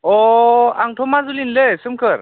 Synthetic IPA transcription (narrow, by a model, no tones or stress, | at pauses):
ɔaŋʈʰomazulinlesɯmkʰəɾ